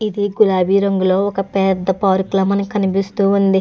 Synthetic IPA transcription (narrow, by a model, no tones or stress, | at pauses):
id̪iɡulaːbiːɾoŋɡulo̞ːɔkɐpɛːd̪ɐpaːɾuklɐmɐnkɐnipist̪uːund̪i